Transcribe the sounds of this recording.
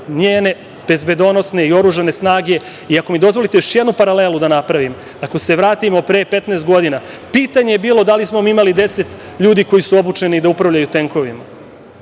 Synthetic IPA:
ɲeːne̞ | b̥e̞zbe̞d̪o̞no̞sne̞io̞ɾuːʒane̞snaːɡe̞ | iako̞mid̪o̞zʋo̞lit̪ejoʃjed̪nupaɾale̞lud̪anapɾaʋim | ako̞se̞ʋɾaːt̪imo̞pɾeːpe̞t̪nest̪̚ɡo̞d̪inapiːt̪aɲe̞jebiːlo̞d̪alismo̞miimalid̪e̞se̞t̪ | ʎuːd̪iko̞jisuo̞but͡ʃe̞nid̪aupɾaʋʎajut̪e̞ŋko̞ʋima

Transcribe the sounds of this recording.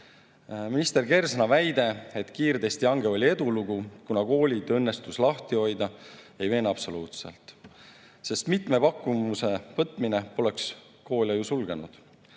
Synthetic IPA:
minist̪e̞rke̞rsnɑvæjd̪e̞et̪kiːrd̪e̞st̪iɑŋɡ̥eo̞lʲie̞d̪̥uluɡ̥ukunɑko̞ːlʲid̪ɤ̞nːest̪uslɑht̪io̞jd̪ɑ | e̞jve̞ːnɑpso̞luːt̪sḛlt̪ˑ | se̞st̪mit̪me̞pɑkːˑumuse̞vɤt̪ːˑmineo̞le̞ks | ko̞ːlʲɑjusulɡ̥e̞nṵd̪̥

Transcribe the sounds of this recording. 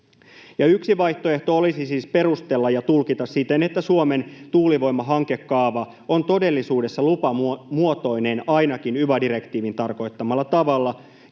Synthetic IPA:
jɑyksiʋɑjht̪oe̞ht̪oolisisiːspe̞rust̪e̞lːɑjɑt̪ulkit̪ɑssit̪ene̞t̪ːæsuome̞nt̪uːliʋo̞jmːɑɦɑŋke̞kːɑːʋɑ | o̞nt̪o̞de̞lːisuːde̞sːɑlupɑmuot̪o̞jne̞nɑjnɑkinyʋædiɾe̞kt̪iːʋint̪ɑrko̞jt̪ːɑmɑlːɑt̪ɑʋɑlːɑ

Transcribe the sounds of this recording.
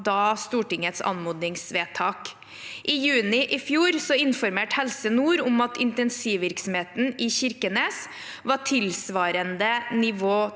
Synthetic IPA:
d̪ɑːst̪uːʈɪŋːət̪sɑ̰nmuːd̪nɪŋsʋeːt̪ʰɑːk | ʔɪjʉːnɪʔɪfjuːɾsɔɪnfɔɾmeːʈhɛlsənuːɾʊmɑt̪ɪ̰nt̪ɛnsiːʋɪɾksɔm̩heːt̪n̩ɪçɪɾkəneːs | ʋɑʈʰɪlsʋɑːɾənd̪ənɪʋoː

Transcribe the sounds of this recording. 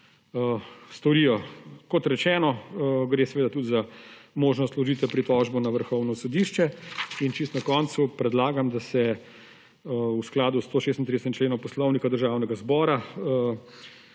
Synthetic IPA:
əst̪ɔɾiːjɔkɔt̪ɾɛt͡ʃɛːnɔɡɾesɛʋeːd̪at̪ud̪zamoːʒnɔst̪lɔʒiːt̪ʋɛpɾit̪ɔʒbɔnaʋəɾxɔwnɔsɔd̪iːʃt͡ʃɛint͡ʃist̪nakɔnt̪supɾɛd̪laːɡamd̪asɛ | usklaːd̪ust̪oːʃeːst̪nt̪ɾid̪sɛt͡ʃleːnɔ̃mpɔslɔwnikad̪əɾʒaːwnɛɡazbɔːɾa

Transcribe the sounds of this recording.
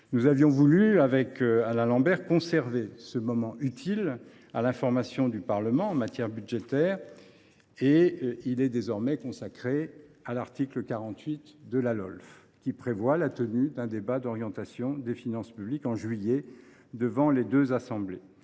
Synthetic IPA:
nuzavjɔ̃vulyavɛkalɛ̃lɑ̃bɛʁkɔ̃sɛʁvesəmɔmɑ̃ʔyt̪ʰil | a̰lɛ̃fɔʁmasjɔ̃d̪ypaʁləmɑ̃ɑ̃mat̪jɛʁbyd̪ʒet̪ɛːʁ | eilɛd̪ezɔʁmɛkɔ̃sakχealaʁt̪ikləkaʁɑ̃t̪ɥit̪d̪əlalɔ̰lf | kʲipχevwalat̪ənyd̪ɛ̃d̪ebad̪ɔʁjɑ̃t̪asjɔ̃d̪efinɑ̃spyblikɑ̃ʒɥijɛ | d̪əvɑ̃led̪øzasɑ̃ble

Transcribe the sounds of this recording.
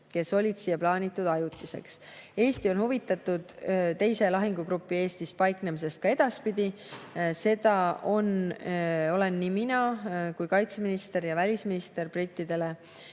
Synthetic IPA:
ke̞so̞lʲid̪̥siːjeplɑːnʲit̪ːˑud̪ɑjut̪ːˑise̞̰ks | e̞ːst̪io̞nhuvit̪ːˑɑt̪ːud̪̥t̪ːe̞jse̞lɑɦiŋɡ̥uɡɾupːˑie̞ːst̪ispɑjkne̞mis̬e̞st̪̚kɑe̞d̪̥ɑspid̪̥ʲi | se̞d̪̥ɑo̞n | o̞le̞nːiminɑkujkɑjt̪se̞minist̪e̞ɾjɑvælʲisminist̪e̞rb̥rit̪ːˑid̪e̞le̞

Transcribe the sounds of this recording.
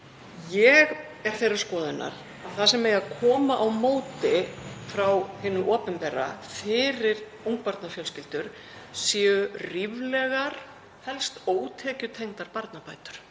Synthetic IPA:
jɛɣ | ɛɾ̥θejraɾ̥skɔːðʏnʔa̰ɾ̥ | aðθasɛmːejaðkʰɔːmaʔawmoːwt̪ɪfɾawhɪːnʏʔɔːpɛmpɛːra̰fɪːɾɪɾ | uŋk̚paɾt̪nafjœlscɪlt̪ʏɾ̥ | sjɛːʏrivlɛɣaɾ̥ | hɛlst̪oːwt̪ʰɛːcʏt̪ʰejŋt̪aɾpaɾt̪napaːjt̪ʏ̥ɾ̥

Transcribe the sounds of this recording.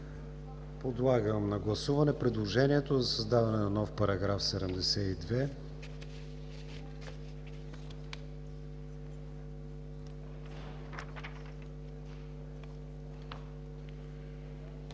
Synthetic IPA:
pod̪lˠaɡəmnɐɡlˠɐsuvɐnɛpɾɛd̪lˠoʒɛniɛt̪ozɐsɐzd̪avɐnɛnɐnɔfpɐɾɐɡɾafsɛd̪ɛmd̪ɛsɛid̪vɛ

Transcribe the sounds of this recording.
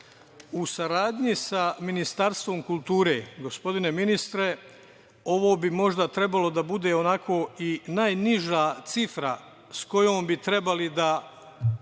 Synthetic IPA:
usaɾaːd̪ɲisaminist̪aɾst̪ʋo̞mkulˠt̪uːɾe̞̰ːɡo̞spo̞d̪ine̞minist̪ɾe̞ | o̞ʋo̞ːbimo̞ʒd̪at̪ɾe̞balo̞d̪abud̪e̞ːonakʰo̞ːinaːjniʒat̪sifɾa̰ | sko̞joːmbit̪ɾe̞balid̪a

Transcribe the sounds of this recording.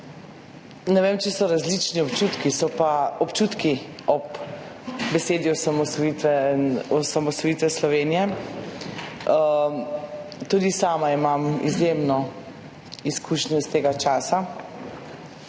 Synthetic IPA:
nɛʋeːmt͡ʃɛsɔɾazlit͡ʃniɔpt͡ʃuːt̪kisɔpaɔpt͡ʃut̪ki | ɔp | bɛseːd̪iɔsamɔsɔit̪ɛɔsamɔsɔjiːt̪ʋɛslɔʋeːnijɛ | t̪uːd̪isaːmaimamḭzjemnɔ | iskuːʃɲɔist̪eːɡat͡ʃaːsa

